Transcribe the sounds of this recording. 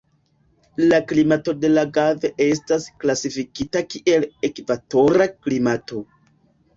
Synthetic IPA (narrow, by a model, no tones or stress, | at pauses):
laklimato̞de̞laɡave̞ʔe̞s̬tasklasifikitakiʔe̞lekvato̞ɾaklimato̞